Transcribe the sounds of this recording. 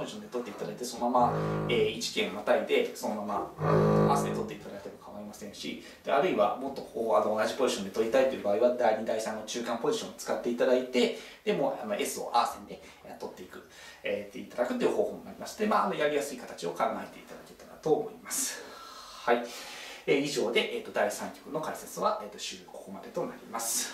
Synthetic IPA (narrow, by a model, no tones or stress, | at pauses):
poʑi̥ɕõ̞nd̪e̞t̪ot̪ːe̞it̪ad̪ait̪e̞so̞nomamaeːit͡ɕi̥kʲẽ̞ɰ̃not̪aid̪e̞so̞no̞mamaaa̰ːsɨd̪et̪o̞t̪ːe̞it̪ad̪aket̪emokʰaβaimasẽɰ̃ɕḭ | d̪̥eaɾɯ̟iβamo̞t̪ːo̞anoːnaʑipo̞ʑiɕond̪e̞t̪o̞ɾʲit̪ait̪o̞jɯ̟baːiβad̪aiɲ̟id̪aisãnːo̞t͡ɕɨːkãmpo̞ʑiɕõnot͡sɨ̥kat̪ːe̞it̪ad̪ait̪e̞d̪̥e̞mo̞ano̞ʔe̞sɨo̞̰ʔaːsẽnd̪e | at̪o̞t̪ːeikɯ̟ | et̪ːeit̪ad̪akɯ̟t̪ːejiɯ̟ho̞ːhoːmonaɾʲimasd̪e̞maːno̞jaɾʲijasɨikat̪ḁt͡ɕio̞kãŋɡae̞t̪e̞it̪ad̪ake̞t̪ːana̰t̪o̞ːmo̞imasɨ̥haieiʑo̞ːd̪e̞ʔeːt̪ːo̞d̪aisãŋkʲo̥kɯ̟no̞kaiset͡sɨβaʔeːt̪ːo̞ɕɨːkokmad̪e̞t̪o̞naɾʲimasɨ̥